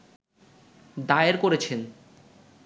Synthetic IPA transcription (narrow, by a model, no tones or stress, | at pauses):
d̪aeɾkoɾet͡ɕʰen